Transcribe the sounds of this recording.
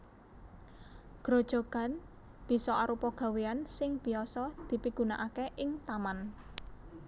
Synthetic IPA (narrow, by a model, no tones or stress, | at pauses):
ɡ̥ɾo̤d̥ʒ̥o̤ɡ̥a̤n | b̥i̤sɔʔaɾupɔɡ̥a̤weansɪŋb̥i̤ɔsɔd̪̥i̤piɡ̥ṳnaʔakeʔɪŋt̪aman